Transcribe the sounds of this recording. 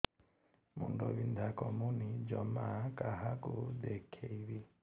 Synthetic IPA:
mṵndɔβind̪ʱakɔmunid͡ʒɔmakʼaɦakud̪ɛkʰeiβi

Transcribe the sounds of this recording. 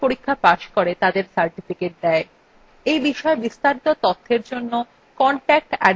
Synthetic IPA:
poɾikʰːapaʃkoɾet̪ad̪eɾsaɾʈifikeʈ̚d̪ɛe | ejbiʃɔebist̪aɾit̪ot̪ɔt̪ʰːeɾd͡ʑonːo | kɔɳʈɛk̚ʈɛ

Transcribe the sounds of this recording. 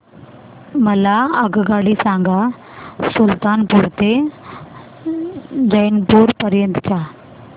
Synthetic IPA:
mɐlaɐɡɡaːɖisãːŋɡa | sʊlt̪aːnpuːɾt̪e | d͡ʑɐnpuːɾpɐɾjə̃nd̪t̪ʰaː

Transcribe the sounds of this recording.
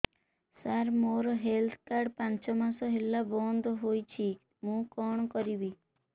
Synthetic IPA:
saɾmoɾɔɦelt̪ʰkaɾɖpãnt͡ʃɔmasɔɦelːabɔnd̪ʱɔɦojt͡ʃʰi | mũkɔɳ̃ɔkɔɾibi

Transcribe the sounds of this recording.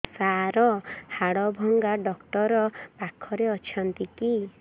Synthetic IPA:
saɾɔhaɽɔbʱɔŋɡaɖɔkʈɔɾɔpakʰɔɾeɔt͡ʃʰɔnt̪iki

